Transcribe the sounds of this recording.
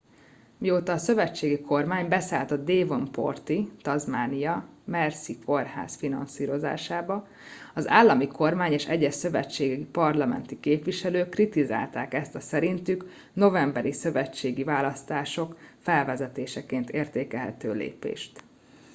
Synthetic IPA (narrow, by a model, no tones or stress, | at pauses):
mioːt̪ɒːsø̞vɛt͡ʃːeːɡikʰo̞rmaːɲbɛsaːlt̪ɒd̪̚d̪eːvo̞mpo̞̰rt̪it̪ɒzmaːnijɒmɛrsiko̞rha̰ːsfinɒnsiːɾo̞za̰ːʃaːbɒ | ɒza̰ːlːɒmiko̞rmaːɲeːʃɛɟːɛʃsø̞vɛ̰t͡ʃːeːɡɛɡipɒrlɒmɛ̰nt̪ikeːpʋiʃɛløːkːrit̪iza̰ːlt̪aːkɛst̪ɒsɛɾint̪yk | no̞vɛmbɛɾisø̞vɛt͡ʃːeːɡivaːlɒst̪aːʃo̞kfɛlvɛzɛt̪eːʃɛkeːnt̪eːrt̪eːkɛlɦɛ̰t̪øːlḛːpḛːʃt̪